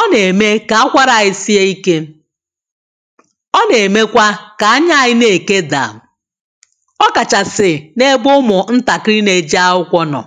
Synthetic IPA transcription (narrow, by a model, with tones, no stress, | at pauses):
ɔ˦ne˨me˦ka˨a˦kʷa˦ɾa˨ɣɪ˦si˦e˦i˦ke˦ | ɔ˦ne˨me˦kʷa˦ka˨a˦ɲa˦˨ɪ˦ne˨ke˦da̰˨ | ɔ˦ka˨t͡ʃa˨sɪ˨ne˦ɡ͡bʊ˦mʊ˨n̩˦ta˨kɾi˦ne˨d͡ʒa˦ʊ˦kʷɔ˦nɔ̰˨